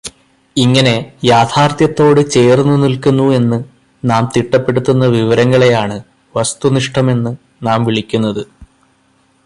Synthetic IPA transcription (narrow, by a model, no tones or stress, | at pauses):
iŋːɐne̞jaːt̪ʰaːrt̪jɐt̪ːo̞ːɽɨt͡ɕe̞ːrnːunilkunːue̞nːɨ | naːmt̪iʈːɐpːe̞ɽut̪ːunːɐʋiʋɐɾɐŋːɐɭe̞jaːɳɨ | ʋɐst̪uniʂʈʰɐme̞nːɨ | naːmʋiɭikʲːunːɐðɨ